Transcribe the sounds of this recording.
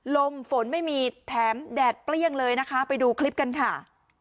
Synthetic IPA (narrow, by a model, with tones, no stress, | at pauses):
lo˧mfo˩˦nma˥˩jmiː˧˩t̪ʰɛː˩˦mdɛː˨˩t̪̚pli˥˩əŋlɤː˧jna˦˥kʰa˦˥pa˧jduː˧kʰli˦˥p̚ka˧nkʰa˥˩